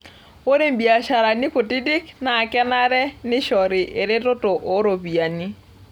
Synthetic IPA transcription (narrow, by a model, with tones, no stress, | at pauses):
wo˦ɾe˦mbi˨a˨ʃa˨ɾa˨nɪ˦po˨ti˦di˦kna˨kɛ˦na˦ɾɛ˦nɪ˦ʃɔ˨ɾɪ˨ʔe˨ɾɪ˦ɾo˦to˨ʔo˨˦ɾo˨bi˨a˨ni˦